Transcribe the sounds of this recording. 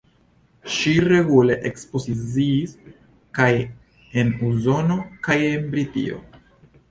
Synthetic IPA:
ʃiɾe̞ɡule̞ʔekspo̞zit͡siːs | kaj | e̞nuzo̞no̞kajenbɾitḭo̞̰

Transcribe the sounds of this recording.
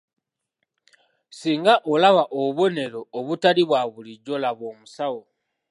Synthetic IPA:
siːŋɡaʔolaβaʔoβo̞ne̞ɾo̞ːβutaliβwaβuliɟːo̞laβo̞ːmusawo

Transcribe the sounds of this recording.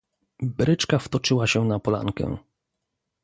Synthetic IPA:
bɾɘt͡ʂkaft̪ɔt͡ʂɘwaɕɛnapɔla̰ŋkɛ̰̃

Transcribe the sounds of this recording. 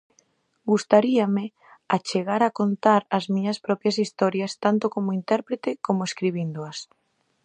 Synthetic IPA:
ɡust̪aɾiamɪ | at͡ʃeɣaɾakont̪aɾɐzmiɲɐspɾɔpjɐsist̪ɔɾjɐst̪ant̪okomoint̪ɛɾpɾet̪ekomoeskɾiβind̪oɐs

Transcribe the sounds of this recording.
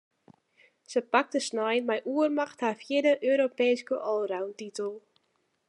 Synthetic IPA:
səpak̚təsnajnmɛjʔuərmaxthafjɪdəʔøːɾopeːskəʔɔlˠrawntitəlˠ

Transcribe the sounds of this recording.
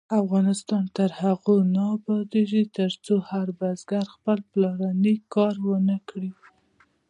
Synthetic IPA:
afɣɑnɪst̪ɑnt̪əɾhaɣonɑbɑd̪eʒit̪əɾt͡sohaɾbazɡaɾxpəlplɑɾanikɑɾwənəkɽi

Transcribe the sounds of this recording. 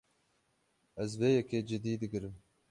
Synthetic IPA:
ɛzveːjɛkeːd͡ʒɪd̪iːd̪ɨɡɨɾɨm

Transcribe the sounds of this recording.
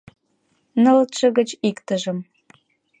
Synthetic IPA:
nə̆lt̪ʃə̆ɣə̆t͡ɕikt̪ə̆ʒə̆m

